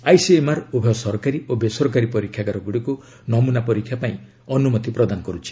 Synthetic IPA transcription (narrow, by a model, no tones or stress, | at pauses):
ajsiemaɾubʱeɔsɔɾkaɾiobesɔɾɔkaɾipɔɾikʰːjaɡaɾɔɡuɽiku | nɔmunapɔɾikʰjapaĩ | ɔnumɔt̪ipɾɔd̪anɔkɔɾut͡ʃʰi̥